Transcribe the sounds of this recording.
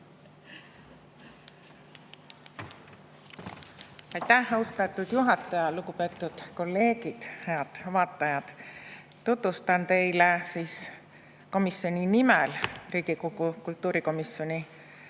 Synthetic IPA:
ɑjt̪æhost̪ɑt̪ːˑud̪̥juɦɑt̪ːˑɑjɑluɡupe̞ːt̪ːˑud̪̥ko̞lːe̞ːɡ̥id̪̥he̞ɑd̪̥vɑːt̪ːˑɑjɑd̪̥ | t̪ut̪vust̪ɑnt̪e̞jlesiːs | ko̞misjo̞ninimɛlriːɡ̥ikoɡukult̪ːˑuːɾiko̞misjo̞nʲi

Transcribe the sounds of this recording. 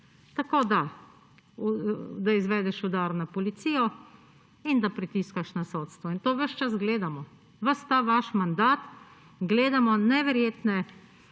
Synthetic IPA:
t̪akoːd̪a | d̪aizʋɛːd̪ɛʃʊd̪aɾnapɔlit̪siːjɔ | ind̪apɾit̪iskaʃnasoːt̪st̪ʋɔint̪oːʋəʃt͡ʃasɡleːd̪amɔ | ʋəst̪aʋaʃmand̪aːt̪ | ɡleːd̪amɔnɛʋɛɾjeːt̪nɛ

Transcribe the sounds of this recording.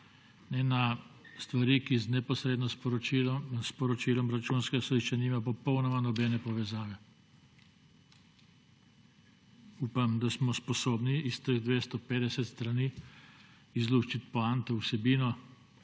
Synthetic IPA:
nɛnast̪ʋaɾiːkiznɛpɔsɾed̪nɔ | spɔɾɔt͡ʃiːlɔmɾat͡ʃunskɛsɔd̪iʃt͡ʃaniːmap̬ɔpɔwnɔmanɔbɛnɛpɔʋɛzaːʋɛ | uːpamd̪asmɔspɔsoːbniːst̪əɣd̪ʋeːst̪ɔpeːd̪ɛsɛt̪st̪ɾaniː | izluʃt͡ʃit̪pɔant̪ɛusɛbiːnɔ

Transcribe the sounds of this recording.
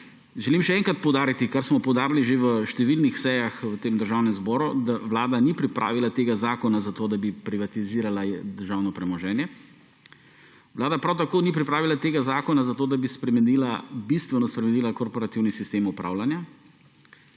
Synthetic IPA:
ʒɛlimʃɛɛŋkɾat̪̚pɔwd̪aːɾit̪ikaɾsmɔpɔwd̪aːɾliʒeʋəʃt̪ɛʋilnixsɛjaxʋət̪eːmd̪əɾʒawnɛmzbɔːɾud̪aʋlaːd̪anipɾipɾʔa̰ːʋilat̪eːɡazaːkɔnazat̪oːd̪abipɾiʋat̪iziːɾalad̪əɾʒawnɔpɾɛmɔʒɛːnjɛ | ʋlaːd̪apɾawt̪akoːnipɾipɾaːʋilat̪eːɡazaːkɔnazat̪oːd̪abispɾɛmɛniːlabist̪ʋɛnɔspɾɛmɛniːlakɔɾpɔɾat̪iwnisist̪eːmupɾʔa̰ːwlanja

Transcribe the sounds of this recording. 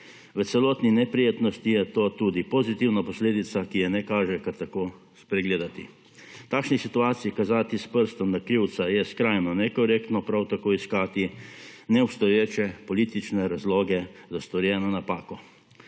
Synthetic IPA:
ʋət̪sɛlɔːt̪ninɛpɾijeːt̪nɔst̪ijɛt̪oːt̪uːd̪ipozit̪iwnapɔsleːd̪it̪sakijɛnɛkaːʒɛkaɾt̪akoː | spɾɛɡleːd̪at̪ḭ | t̪aːkʃnisit̪uaːt̪sijikazaːt̪ispəɾst̪ɔmd̪akɾiwt̪sajɛskɾajnɔnɛkɔɾeːkt̪nɔpɾawt̪akoːiskaːt̪inɛɔpst̪ɔjeːt͡ʃɛpɔliːt̪it͡ʃnɛɾazloːɡɛzast̪ɔɾjɛːnɔnapaːkɔ

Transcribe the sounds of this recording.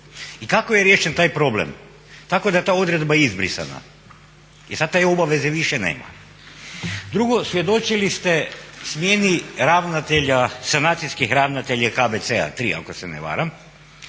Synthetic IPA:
ikakojeɾjeːʃent̪aːjpɾo̞blḛm | t̪akod̪aet̪aːo̞d̪ɾe̞d̪̚bajeizbɾḭsa̰na̰ | jisad̪t̪eobaʋe̞zeʋiʃenḛːma̰ | d̪ɾuɡo̞sʋje̞d̪o̞t͡ʃilist̪esmjeniɾaʋnat̪eʎasanaːt̪siskixɾaʋnat̪eʎakabet̪sea̰t̪ɾḭːa̰ko̞seneʋa̰ːɾam

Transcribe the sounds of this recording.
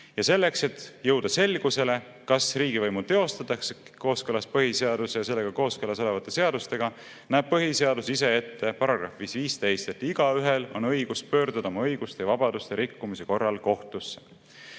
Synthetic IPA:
jɑse̞lːe̞kse̞t̪ːjɤwd̪̥ɑse̞lɡ̥use̞le̞ | kɑsriːɡivɤjmut̪e̞o̞st̪ɑt̪ːˑɑkseko̞ːskɤlɑspɤɦise̞ɑd̪̥usejɑse̞lːe̞ɡ̥ɑko̞ːskɤlɑso̞le̞vɑt̪ːˑe̞se̞ɑd̪̥ust̪e̞ɡ̥ɑ | næːb̥̚pɤɦise̞ɑd̪usise̞e̞t̪ːe̞pɑɾɑɡ̥rɑ̰fvisviːst̪e̞jst̪e̞t̪ːiɡ̥ɑyɦelo̞̰nɤ̞jɡ̥uspø̞ːɾd̪̥ud̪ɑo̞mɑɤjɡ̥ust̪ejɑvɑb̥ɑd̪̥ust̪eɾikːumise̞ko̞rːɑlko̞ht̪usːe̥

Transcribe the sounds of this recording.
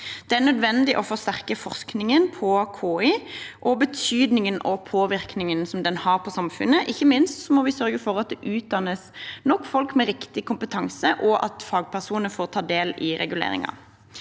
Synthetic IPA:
d̪̥ɛæʁnœd̪ʋɛnd̪ɪʔɔfɔʁst̪æʁkəfɔʁsknɪŋənpʰɔkʰoːɪːʔɔbət̪ʰyːd̪nɪŋənʔɔpʰoːʋɪʁknɪŋənsɔmd̪ɛnhɑʁpʰɔsɑmfʉ̰nːəʔɪçːəmɪnst̪sɔmɔʋɪsœɾɡəfɔɾɑt̪̚d̪ɛʔʉːt̪̚d̪ɑnːəsnɔkːfɔlkmɛɾɪkt̪ɪkʰʊmpət̪ʰɑŋsəʔɔʔɑ̰t̪fɑːɡ̚pʰæʁsuːnəfoːʁt̪ʰɑːd̪eːlɪɾɛ̰ɡʉlḛːɾɪ̰ŋɑ̰

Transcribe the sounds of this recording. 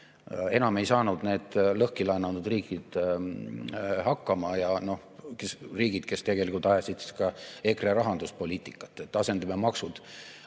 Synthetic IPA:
e̞nɑme̞jsɑːnud̪̥ne̞ːd̪̥lɤhkilɑnɑnud̪riːɡid̪̥ | hɑkːɑmɑjɑno̞ | kesriːɡ̥id̪̥ke̞st̪e̞ɡ̥e̞likult̪ɑjesid̪kɑe̞kreɾɑɦɑnd̪uspo̞lʲiːt̪ːˑikːˑɑ̥t̪ːˑet̪ːɑse̞nd̪̥ɑmemɑksud̪̥

